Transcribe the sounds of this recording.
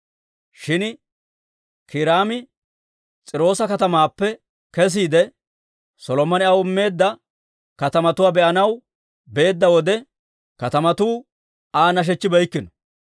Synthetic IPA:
ʃɪn | kʰɪɾaːmɪ | t͡sʼɪɾo̞ːsɐkɐt̪ɐmaːpːɛ | kɛs̬iːd̪ɛ | sɔlɔmɐnɪɐwʊmːe̞ːd̪ːɐ | kɐt̪ɐmɐt̪ʊwaːbɛʔɐnɐw | be̞ːd̪ːɐwɔd̪ɛ | kɐt̪ɐmɐt̪uː | aːnɐʃ̬ɛt͡ʃːɪbɐjkːɪnɔ̥

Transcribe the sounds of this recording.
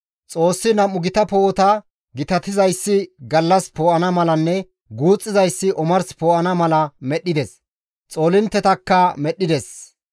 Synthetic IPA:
t͡sʼo̞ːsːɪnɐmʊɡɪt̪ɐpo̞ːt̪ɐ | ɡɪt̪ɐt̪ɪzɐjsːɪɡɐlːɐspoːʔɐnɐmɐlɐnːɛ | ɡuːt͡sʼːɪzɐjsːɪʔɔmɐɾspoːʔɐnɐmɐlɐmɛɗːɪd̪ɛs | t͡sʼo̞ːlɪnt̪ːɛt̪ɐkːɐmɛɗːɪd̪ɛs

